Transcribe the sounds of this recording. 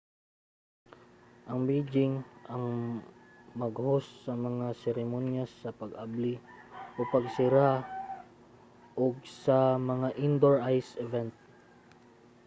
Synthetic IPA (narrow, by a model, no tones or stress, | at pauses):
ʔɐŋbejd͡ʒɪŋʔɐŋ | mɐɡhosːɐmɐŋasɛɾɛmonjasɐpɐɡabliʔopɐɡsɪɾa | ʔoɡ̚sɐmɐŋaʔɪnd̪oɹʔajsɛvɛnt̪̚